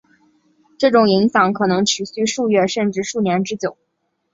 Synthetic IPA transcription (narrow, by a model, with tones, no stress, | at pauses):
ʈ͡ʂɤ˥˩ʈ͡ʂʊ˨˩ŋi˧˥ŋɕjɑ˧˩ŋkʰɤ˨˩nɤ˧˥ŋʈ͡ʂʰy˨˩ɕy˥˧ʂu˥˧ɥɛ˥˧ʂə˥˧nʈ͡ʂɻ̩˥˧ʂu˥˩njɛ˧˥nʈ͡ʂɻ̩˥t͡ɕjo˨˩˦ʊ